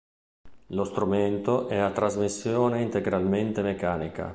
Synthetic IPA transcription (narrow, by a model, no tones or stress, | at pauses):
lost̪ɾument̪oʔɛat̪ːɾazmisːjɔːneint̪eɡɾalment̪emekaːnika̰